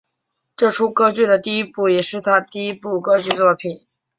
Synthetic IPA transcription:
ʈ͡ʂɤ˥˩ʈ͡ʂʰu˥˩kɤ˥t͡ɕy˥˩d̪ə˩t̪i˥˩i˥pu˥˩jɛ˨˩ʂɻ̩˥˩t̪ʰa˥t̪i˥˩i˥pu˥˩kɤ˥t͡ɕy˥˧t͡swɔ˥˩pʰi˨˩˦n

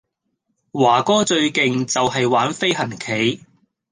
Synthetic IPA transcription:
waː˨˩kɔː˥t͡ʃɵ˧ɥkɪ˨ŋt͡sɐ˨wɦɐ˨jwaː˨˥nfe˥jɦɐ˨˩nkʰe˨˥j

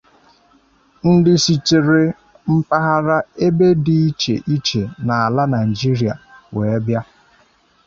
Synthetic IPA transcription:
n̩˦dɪ˦si˨t͡ʃe˨ɾe˨ | m̩˦pa˦ɦa˦ɾa˦e˦be˦di˨i˦t͡ʃḛ˨ʔi˦t͡ʃe˨na˨a˨la˦na˨i˨d͡ʒi˦ɾi˨a̰˨we˨e˦bja˦

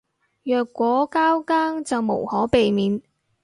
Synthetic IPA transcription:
jœː˨kːʷɔː˨˥kaː˥wkaː˥ŋt͡sɐ˨wmo˨˩whɔː˨˥pe˨jmiː˨˥n

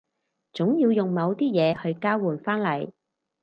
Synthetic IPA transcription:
t͡sʊ˨˥ŋjiː˧wjʊ˨ŋmɐ˨˧wt̪iː˥jɛː˨˧hɵ˧ɥkaː˥wuː˨nfaː˥nlɐ˨˩j

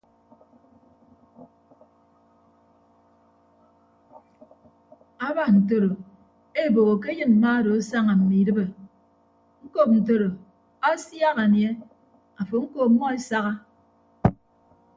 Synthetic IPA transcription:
a˦ba˨n̩˨to˨ɾo˨ | e˦˨bo˨ɣo˨k̬e˦jɨ˦nm̩˨ma˦ɾo˨a˦sa˦ŋa˨m̩˨mi˨dɨ˦be˨ | ŋ̩˦ko˦˨p̚n̩˨to˨ɾo˨ | a˦sja˦ɣa˨nje˦ | a˨fo˨ŋ̩˦ko˨mːɔ˦e˦sa˦ɣa˦

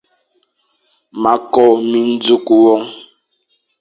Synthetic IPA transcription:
ma˨kɔ˨mi˦n̩˦d͡zu˦ku˨wɔ˦ŋ

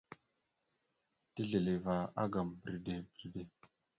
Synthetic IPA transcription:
ti˦ɮe˨le˨va˨a̰˦ɡa˨mbɾi˨de˨bɾi˨de˨

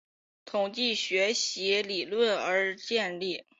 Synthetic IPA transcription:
t̪ʰʊ˨˩ŋt͡ɕi˥˩ɕɥɛ˧˥ɕi˧˥li˨˩lwə˥˩nə˞˧˥t͡ɕjɛ˥˧nli˥˩

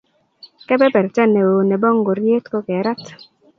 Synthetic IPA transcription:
kɛ˦bɛ˦bɛ˨ɾt͡ʃa˦ne˨o˨nɛ˨bɔ˦ŋɡo˨ɾje˦t̪ko˦kɛ˨˦ɾa˦t

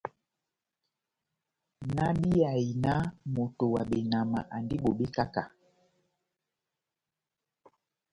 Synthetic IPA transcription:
na˦ɓi˦a˨i˨na˦mo˨to˨wa˨ɓe˨na˨ma̰˨ʔa˨ndi˦ɓo˨ɓe˦ka˦ka˨

